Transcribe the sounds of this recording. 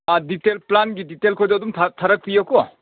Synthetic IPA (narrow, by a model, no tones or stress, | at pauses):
aditelplanɡiditelkʰɔjdɔdumtʰtʰaɾɐk̚pijɔkɔ